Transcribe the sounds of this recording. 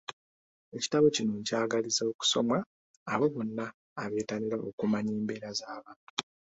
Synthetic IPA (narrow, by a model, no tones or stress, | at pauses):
e̞ci̥taβo̞cinoɲcaːɡalizaoku̥so̞mwaː | βo̞βo̞nːaː | βe̞ːtaliɾaʔokumaɲiːmbe̞ːɾazaːβaːntu